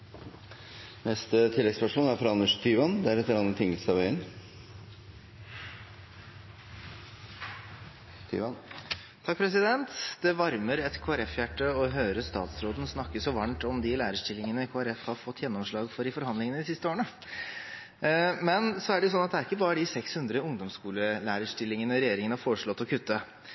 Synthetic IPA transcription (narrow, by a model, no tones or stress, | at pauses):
nɛst̪ət̪ʰɪlːɛɡspæʂuːnæɾfɾɑɑnːəʂt̪ʰyːʋɑnd̪æɾɛt̪ːəɾɑnət̪ʰɪŋːəlsɑʋæɪən | t̪ʰy̰ːʋɑn | t̪ʰɑk̚pʰɾɛs̬ɪd̪ɛnt̪d̪̥ɛʋɑɾməɾɛt̪kʰoːæɾɛfjæʈːəɔɦøːɾəst̪ɑ̰ːt̪sɾoːd̪n̩snɑkːəsɔʋɑɳʈɔmd̪ɪlæːɾəʂʈɪlːɪŋənəkʰoːæɾɛfhɑɾfɔt̪ːjɛnːɔmʂɭɑːɡfɔɾɪfɔɾhɑnd̪lɪŋənəd̪ɪsɪst̪əoːəɳə | mɛnsɔæɖɛjʊsɔnɑt̪d̪æɾɪkːəbɑːɾəɖ̪ɪsɛkshʉnd̪ɾəʊŋd̪ɔmskuːləlæːɾəʂʈɪlːɪŋənəɾɛjeːɾɪŋnəhɑfoːɾəʂɭɔt̪ːɔkʰʉt̪ːə